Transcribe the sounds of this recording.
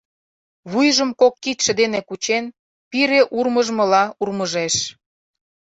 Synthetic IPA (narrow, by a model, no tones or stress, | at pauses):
βujʒə̆mkokːit̪ʲʃĕd̪enekut͡ɕen | piɾeʔurməʒmə̆lɑurməʒeʃ